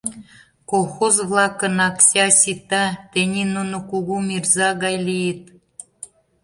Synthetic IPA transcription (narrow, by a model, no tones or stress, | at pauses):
kolxozβlɑkə̆nɑksʲɑsʲit̪ɑt̪enʲinunokuɣumʲirzɑɣɑjlʲijet̪̚